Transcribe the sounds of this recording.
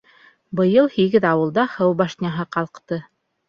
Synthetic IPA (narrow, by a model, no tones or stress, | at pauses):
bɤ̆jɤlˠhiɡɘðɑwɤ̆lˠd̪ɑhɤwbɑʃnʲɑɦɤqɑlˠqt̪ɤ